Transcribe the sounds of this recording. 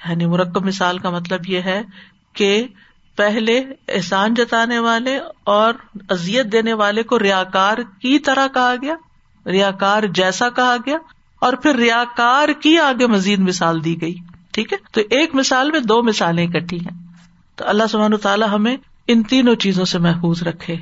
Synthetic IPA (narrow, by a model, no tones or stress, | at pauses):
jaːnimʊɾəkːəbmɪsaːlkamɐt̪ləbjeɦɛ | ke | pɛɦleɪ̰ɦsaːnd͡ʒɐt̪aːneʋaːleɔːɾɐzijət̪̚d̪eːneʋaːlekoɾɪjaːkaːɾkit̪ɐɾakɐɦaɡɐjaː | ɾɪjaːkaːɾd͡ʒɛːsakɐɦaɡɐjaː | ɔːɾpʰɪɾːɪjaːkaːɾkiaːɡemɐziːd̪mɪsaːld̪iːɡɐiːʈʰiːkɦɛːt̪oʔeːkmɪsaːlmẽd̪oːmɪsaːlẽkɐʈʰiɦɛ̃ː | t̪oːɐlːaɦsʊbʱaːnːt̪aːlaɦɐmẽ | ɪnt̪iːnõt͡ʃiːzõsemɛɦfuːzɾɐkʰːeː